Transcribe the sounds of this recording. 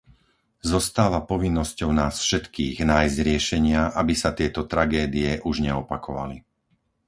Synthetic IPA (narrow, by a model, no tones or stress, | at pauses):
zɔst̪aːʋapɔʋinːɔscɔʊnaːsfʃɛt̪kiːɣnaːjzɟɾɪɛʃɛɲɪaʔabisat̪ɪɛt̪ɔt̪ɾaɡɛːd̪iɛʔuʒɲɛɔpakʰɔʋa̰li